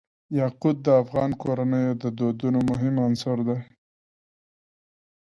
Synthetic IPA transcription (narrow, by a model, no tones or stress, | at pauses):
jɑqʊd̪̚ːəafɣɑnkoɾanəjod̪əd̪od̪unomʊɦɪmansɑɾd̪a